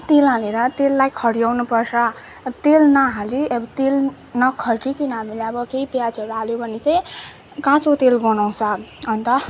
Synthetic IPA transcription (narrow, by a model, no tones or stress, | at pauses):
t̪elaleɾʌt̪elːajkʰʌɽijawnupʌrsʰʌ | t̪elnʌɦaliʌbt̪el | nʌkʰʌʈikinʌɦamileʌbʌkeipjad͡zʌɾualjobʱʌnit͡saĩ | kãt͡sot̪elɡʌnaw̃sʰʌɦʌnt̪ʌ